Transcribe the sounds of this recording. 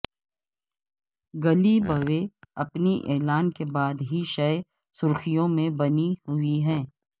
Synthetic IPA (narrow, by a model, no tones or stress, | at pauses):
ɡɐlibɐʋeɐpniʔɛːlaːnkebaːd̪ɦiʃɐj | sʊɾkʰijõmẽbɐnihʊiɦɛ̃ː